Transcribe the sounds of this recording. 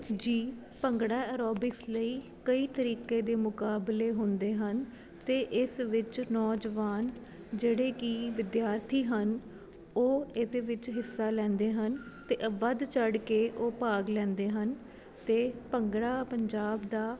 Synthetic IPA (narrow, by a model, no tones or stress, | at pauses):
d͡ʒiː | pəŋɡɽaːɛɾɔːbɪksləiː | kəiːt̪əɾiːkeːd̪eːmʊkaːbleːɦʊnd̪eːɦən | t̪eːʔɪsʋɪt͡ʃnɔːd͡ʒʋaːn | d͡ʒeːɽeːkiːʋɪd̪jaːɾt̪ʰiːɦən | oːɪseʋɪt͡ʃɦɪsːaːlɛ̃ːnd̪eːɦənt̪eːʔʋəd̪t͡ʃəɽkeːʔoːpaːɡlɛ̃ːnd̪eːɦən | t̪eːpəŋɡɽaːpəɲd͡ʒaːbd̪aː